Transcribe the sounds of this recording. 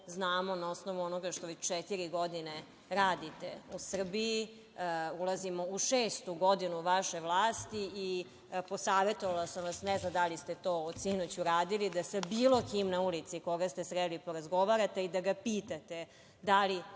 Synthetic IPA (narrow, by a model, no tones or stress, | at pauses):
znaːmo̞nao̞snoʋuonoɡaʃt̪oʋet͡ɕt͡ʃɛt̪iɾiɡo̞d̪ine | ɾaːd̪it̪ḛusr̩bii | ulazimouʃeːst̪uɡod̪inuʋaʃe̞ʋlˠaːst̪iː | po̞saːʋe̞t̪oʋalasamʋasnɛznamd̪alist̪et̪o̞ːosinot͡ɕuɾaːd̪ilid̪asabiːlˠo̞kimnaulit̪siko̞ɡast̪esɾelipo̞ɾazɡo̞ʋaɾat̪eid̪aɡapiːt̪at̪e̞ | d̪ali